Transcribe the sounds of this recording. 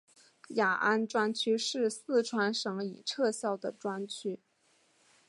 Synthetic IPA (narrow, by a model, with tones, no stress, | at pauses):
ja˨˩ʔa˥nʈ͡ʂwa˥nt͡ɕʰy˥ʂɻ̩˥˧sɹ̩˥˩ʈ͡ʂʰwa˥nʂɤ˧˥ŋi˨˩ʈ͡ʂʰɤ˥˧ɕjɑ˥˩ʊd̪ə˩ʈ͡ʂwa˥nt͡ɕʰy˥